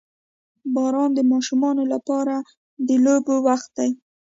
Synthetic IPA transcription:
bɑɾɑnd̪əmɑʃumɑnolapɑɾa | d̪əlobowaxt̪̚d̪aj

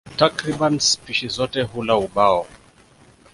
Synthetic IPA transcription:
takɾibanspiʃizɔtɛɦulauɓaɔ

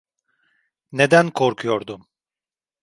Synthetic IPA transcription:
ne̞d̪ænkʰoɾkʰujoɾd̪um

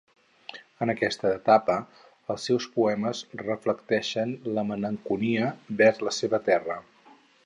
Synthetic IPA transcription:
ənəkɛst̪əːt̪apə | əlˠsːɛwspuɛməzrəfləkt̪ɛʃənləmələŋkuniəbɛɾzləseβət̪ɛrə

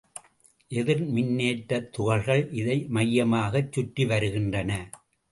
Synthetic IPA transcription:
ʔɛðɪɾmɪnːeːʈːɐt̪ːʊɣɐɾɣɐɭʔɪðɐɪmɐjːɐmaːɣɐt͡ʃːʊʈːiʋɐɾɯɣɪndrɐnɐ

